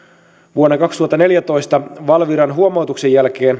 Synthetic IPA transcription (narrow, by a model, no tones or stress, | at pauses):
ʋuonːɑkɑkst̪uhɑt̪ːɑne̞ljæt̪o̞jst̪ɑʋɑlʋiɾɑnɦuomo̞wt̪uksejælke̞ːn